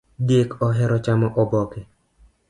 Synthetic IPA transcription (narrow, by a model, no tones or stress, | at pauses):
dekɔɦɛɾɔt͡ʃamɔʔɔbɔkɛ